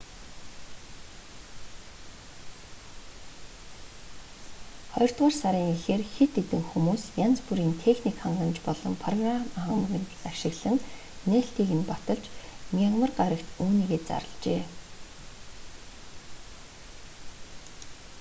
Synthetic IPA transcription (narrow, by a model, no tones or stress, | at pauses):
χɔjɞ̆r̥t̪ʁaːrsaɾʲiːŋixeːrxet̪ːet̪ɘ̆ŋxumuːsjant͡spuɾiːnt̪ʰexnikχaɴɢə̆mt͡ɕpɔɮɞ̆mpʰrɔɣramaχə̆m̆ɣɘ̆nt̪aʃɪ̆ɣɮ̥ə̆n | nːeːɬt̪iːɣɘ̆npat̪ə̆ɮt͡ɕnʲaʁmə̆rɢaɾə̆kt̪uːniːɣeːt͡sa̰ɾə̰̆ɮt͡ɕeː